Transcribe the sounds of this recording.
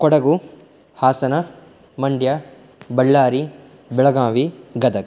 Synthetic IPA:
kɔɽɐɡu | haːsɐnɐ | mɐɳɖja | bɐɭːaːɾi | bɛɭɐɡãːʋiɡɐd̪ɐk

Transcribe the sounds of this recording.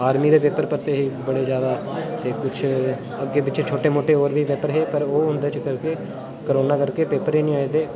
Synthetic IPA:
aːɾmiːɾeːpeːpəɾpəɾt̪eːɦiːbəɽeːd͡ʒjaːd̪aːt̪eːkʊt͡ʃʰ | əkeːbɪt͡ʃet͡ʃʰoːʈeːmoːʈeːoːɾbʱiːpeːpəɾɦeːpəɾoːɦʊ̃nd̪eːt͡ʃkəɾkeː | kəɾoːnaːkəɾkeːpeːpəɾɦiːnĩːaːet̪eː

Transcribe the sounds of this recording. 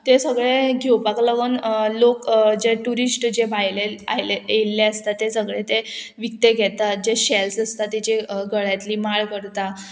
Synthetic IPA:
t̪esəɡɭeɡʱewpakləɡənlokd͡ʑeʈuɾisʈd͡ʑebajleajlejelːeəst̪at̪ːesəɡɭet̪eʋik̚t̪eɡʱɛt̪at̪̚d͡ʑeɕelsəst̪at̪id͡ʑeɡəɭjat̪liːmaɭkəɾt̪a

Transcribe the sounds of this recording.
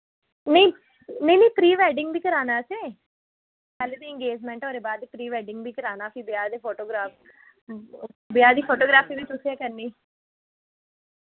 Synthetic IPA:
nə̃ĩ | nəinə̃ĩpɾiːʋɛːɖɪ̃ŋɡb̪iːkəɾaːnaːseː | kɛːlet̪eɪ̃ŋɡeːd͡ʒmɛ̃ːɳʈoːɾeːbaːd̪epɾiːʋɛːɖɪ̃ŋɡbiːkəɾaːnaːpibɪjaːd̪eːpʰoːʈoːɡɾaːf | bɪjaːd̪iːpʰoːʈoːɡɾaːfiːbiːt̪ʊsiẽːkəɾniː

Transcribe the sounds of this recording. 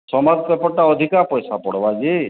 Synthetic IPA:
sɔmad̪pepɔʈːaɔd̪ʱikapɔjsapɔɽ̤ɔbad͡ʒi

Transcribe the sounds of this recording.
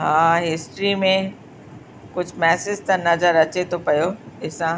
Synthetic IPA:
ɦaːɦɪsʈɾimẽ | kʊd͡ʑʱmɛːsɪzt̪ɐnɐzəɾɐt͡ɕet̪ʰopɐjoɪsã

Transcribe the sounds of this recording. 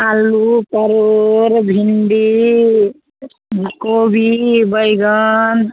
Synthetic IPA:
alupəɾoɾbʱinɖi | kobʱibəjɡʌn

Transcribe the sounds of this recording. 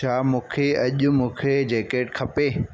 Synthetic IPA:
aːmũːkʰeɐʄʊ̆mũːkʰed͡ʑeːkeːʈkʰɐpeː

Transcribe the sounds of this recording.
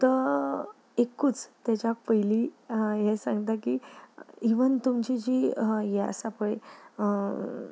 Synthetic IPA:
t̪əɾ | ekːut͡st̪jat͡ɕapəjlijɛsã̰ŋɡt̪akiːiʋənt̪umt͡ɕid͡ʑiːjɛəsapəɭe

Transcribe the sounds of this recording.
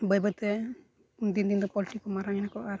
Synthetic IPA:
bəjbət̪ɛ | und̪ind̪ind̪ɔpɔliʈikːɔmaɾaŋɛnakɔʔaɾ

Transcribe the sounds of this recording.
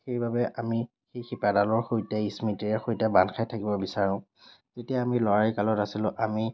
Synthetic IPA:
xejbabɛʔami | xejxipadalɔɹxojtɛismitiɹɛxojtɛbanxʰajtʰakibɔbisaɹʊ̃ | z̥etijaːmilɔɹaɹikalɔtasilʊ̃ʔami

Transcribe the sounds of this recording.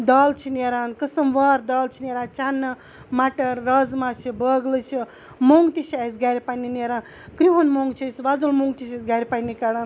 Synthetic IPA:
d̪aːlt͡ʃʰineɾaːnkəsɐmʋaɾd̪aːlt͡ʃʰineɾaːnt͡ʃanːɨ | maʈɐɾːəzmat͡ʃʰibəɡlɨt͡ʃʰi | moŋɡt̪iʃʰasɡaɾʲipanːineɾaːn | kɾiɦunmoŋɡt͡ʃʰisʋazulmuŋɡt̪iʃasɡaɾʲipanikaɽaːn

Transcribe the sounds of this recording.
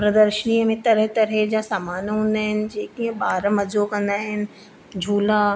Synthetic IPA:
pɾəd̪əɾʃəniːəmẽt̪ɐɾəɦt̪ɐɾɦed͡ʑasaːmaːnɦũːnd̪aːɦɪnɪ̆d͡ʑeːkiɦə̃ɓaːɾəmɐd͡ʑokɐ̃nd̪aːɦɪnɪ̆ | d͡ʑʱuːla

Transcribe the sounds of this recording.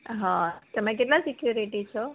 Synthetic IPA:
ɦãt̪əmãk̬eʈlasikjuɾiʈit͡ʃʰo

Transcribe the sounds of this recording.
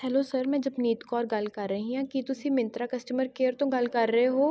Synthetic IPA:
ɦɛːloːsəɾmɛ̃ːd͡ʒəbniːt̪kɔːɾɡɐlkəɾːəɦĩãːkit̪ʊsiːmɪ̃nt̪ɾaːkəsʈəməɾkeːɾt̪õːɡɐlkəɾːəɦeɦoː

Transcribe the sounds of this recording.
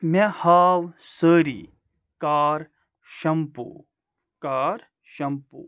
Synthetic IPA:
mehaːwsəːɾḭ | kaːɾ | ʃɐmpṵ | kaːɾ | ʃɐmpṵ

